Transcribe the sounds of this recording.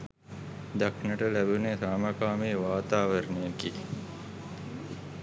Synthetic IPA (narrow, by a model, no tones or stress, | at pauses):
d̪aknəʈəlæbunesaːmakaːmeːʋaːt̪aːʋəɾnejəki